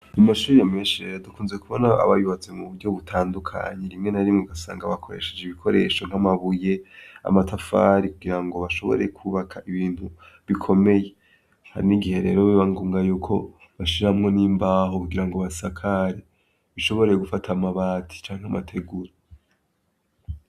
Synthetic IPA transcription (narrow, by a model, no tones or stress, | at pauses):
amaʃuːɾjameːnʃiijadukuːnzekuβonaa̰βajuβazemuβuɾɟo̞βutʰaːndukʰa̰ɲeɾimŋe̞naɾimŋiɡasa̰ːŋɡaβakʰo̞ɾe̞̰ʃe̞̥d͡ʒeβikʰo̞ɾe̞ʃoŋ̥amaβuje̞a̰matʰafa̰ɾikuɡiɾaŋɡo̞βaʃo̞βo̞̰ɾe̞kʰuβakʰaʔiβiːn̥hu | βikʰo̞me̞je̞ | ha̰ɾiniɡihe̞ɾeːɾo̞βiβaŋɡuːŋɡajuːkʰo̞ | βaʃiɾahamŋo̞niːmbaːɦokuɡiɾaŋɡoβasakʰaɾe | βiʃo̞βo̞ɾejeɡufatʰamaβaːtʰi̥t͡ʃaːŋhamatʰe̞ɡuɾa